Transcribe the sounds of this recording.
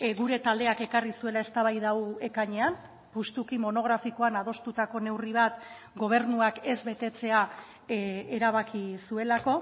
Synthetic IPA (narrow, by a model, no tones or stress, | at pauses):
ɡuɾe̞t̪ald̪e̞ake̞karisue̞lae̞st̪aβajðawe̞kaɲe̞am | pust̪ukimo̞no̞ɣ̞ɾafiko̞anað̞o̞st̪ut̪ako̞ne̞wriβ̞at̪ | ɡo̞β̞e̞ɾnuake̞zβe̞t̪e̞t͡se̞a | eɾaβ̞akisue̞lako̞